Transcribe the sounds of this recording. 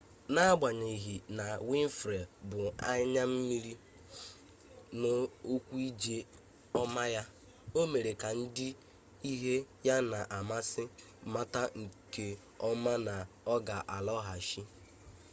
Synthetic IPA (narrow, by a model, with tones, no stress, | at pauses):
na˦ɡ͡ba˨ɲe˨ɦi˨na˨wi˦m̩˦fɾe˨bʊ˨a˦ɲa˦m̩˦mi˦ɾi˦ | no˦o˦kʷu˦i˦d͡ʒe˦ | ɔ˦ma˦ja˦ | o˦me˨ɾe˨ka˨n̩˦dɪ˦ | i˦ɦe˦ja˦na˨ʔa˨ma˦sɪ˦ | ma˦ta˦ŋ̩˨ke˦ | ɔ˦ma˦na˨ | ɔ˦ɡa˨ʔa˨lɔ˦ɦa˨ʃi˦